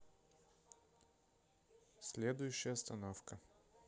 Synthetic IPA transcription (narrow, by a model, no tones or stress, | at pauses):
sʲlʲed̪ʊjʊɕːɪjəst̪ɐnofkə